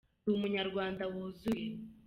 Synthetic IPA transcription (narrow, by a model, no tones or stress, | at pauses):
umuɲaɾɡwaːndawuzuje